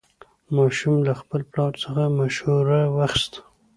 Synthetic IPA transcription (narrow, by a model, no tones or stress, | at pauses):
mɑʃumlaxpəlplɑɾsəxamaʃhuɾawaxst̪